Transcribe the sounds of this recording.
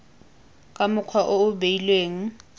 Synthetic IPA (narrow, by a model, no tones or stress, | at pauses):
kʼamʊkʰwaʔoʊbeilweːŋ̩